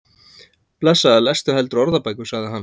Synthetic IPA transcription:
plɛsːaɛlɛst̪ʏɦɛlt̪ɾɔɾðapajkʏsaɣðɪɦanː

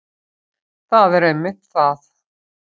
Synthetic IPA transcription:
θaðɛɾejmːɪht̪θaθ

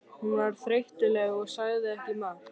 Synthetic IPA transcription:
hunvaɾ̥θɾejht̪ɪlɛɣɔɣsaːjðɪɛhcɪma

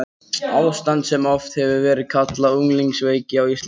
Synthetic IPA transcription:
awst̪ant̪sɛmɔft̪hɛvɪvɛːɾɪ̥kʰat̪lauŋliŋksveːjcɪawist̪

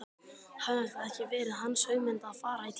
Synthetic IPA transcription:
haahk̪aɛhcɪvɛːɾɪðɦanːsœːɥɣmɪnt̪aaːðfaːɾait̪ʰ

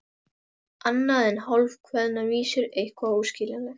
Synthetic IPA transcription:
anːaðɛnhɔlv̥kʰvɛðnaviːsʏɾejhkvauːscɪːlɛnɛ

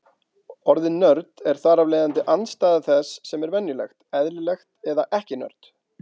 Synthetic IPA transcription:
ɔɾðɪnːœɾt̪ɛɾ̥θaːɾavlɛːðant̪ɪʔanst̪aːðaθɛsːɛmɛɾvɛnjʏlɛ̰xt̪ɛðlɪlɛxt̪ɛðaʔɛhcɪnœ̰ɾ̥t̪

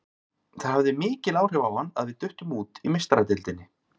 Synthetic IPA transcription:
θaɾ̥havðɪmɪːcɪlaːwr̥ɛvawanːa̰ðvɪðt̪ʏht̪ʏmuːt̪imɪst̪aɾat̪ɪlt̪ɪnːɪ

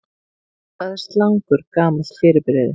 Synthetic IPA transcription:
θaðɛst̪laŋkʏɾkaːmasfɪːɾɪpɪɾɛðɪ̰

